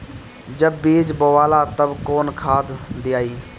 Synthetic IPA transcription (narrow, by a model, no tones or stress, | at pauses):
d͡ʒəbːiːd͡ʒboːʋaːlaːt̪əbkoːnkʰaːd̪d̪ɪjaːiː